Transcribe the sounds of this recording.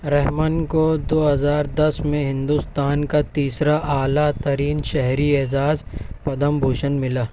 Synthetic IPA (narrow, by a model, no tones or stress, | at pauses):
ɾɛɦmənkod̪oːɦɐzaːɾd̪ɐsmẽɦɪ̃nd̪ust̪aːnkat̪iːsɾaʔaːlat̪ɐɾiːnʃɛɦɾiɛːzaːzpɐd̪əmbʱuːʃənmɪlaː